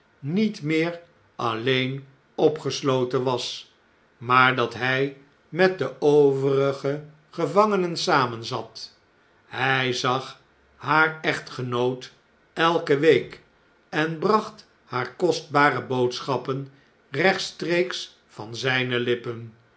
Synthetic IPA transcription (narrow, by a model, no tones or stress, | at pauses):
nitmɪːr | ʔɑlejn | ɔpχəslowtənʋɑs | maːɹdɑtɦɛj | mɛt̚dəowvərəχə | χəvɑŋənənsaːmənzɑt | hɛjzɑχ | haːɹɛχtχənowt | ɛlˠkəʋejk | ɛnbrɑχt | haːɹkɔsd̚baːrəbowtsχɑpən | rɛχtstreks | fɑnzɛjnəlɪpən